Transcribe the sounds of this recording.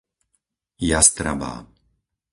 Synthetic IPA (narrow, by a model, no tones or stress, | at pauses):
jast̪ɾa̰ba̰ː